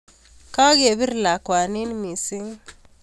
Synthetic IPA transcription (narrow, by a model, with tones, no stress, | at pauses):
ka˦ɡe˨bi˦ɾla˨kwa˨ni˦nmi˨si˦ŋ